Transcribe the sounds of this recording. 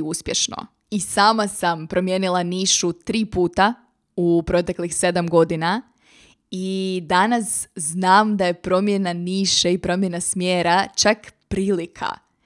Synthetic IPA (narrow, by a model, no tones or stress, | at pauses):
uspʲjeʃno̰ | isaːmasampɾo̞mjeːnilˠaniːʃut̪ɾiːpuːt̪a | upɾo̞t̪e̞klixse̞d̪amɡo̞d̪ina | id̪anasznaːmd̪aje̞pɾo̞mje̞naniːʃeipɾo̞mje̞nasmjeːɾat͡ʃakpɾiːlikʰa̰